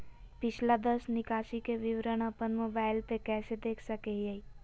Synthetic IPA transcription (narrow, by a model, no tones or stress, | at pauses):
pɪt͡ʃʰlad̪əsnɪkaːʃikeʋɪʋɾəñəpənmoːbaːɪlt̪ekɛːsed̪eːkʰsəkeiai